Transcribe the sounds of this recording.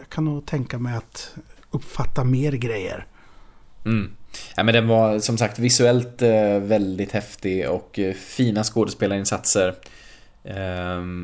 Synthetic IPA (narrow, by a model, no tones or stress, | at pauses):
kʰanot̪ʰɛŋkamɛjat̪ɵpːfat̪ːameːɾɡɾɛjːə̰ɾ | m̩ːɛmɛnd̪ɛnvasɔmsak̚t̪vɪsɵɛlt̪vɛld̪ɪt̪hɛft̪ɪɔkfiːnaskoːd̪əspeːlaɾɪnsat̪səɾ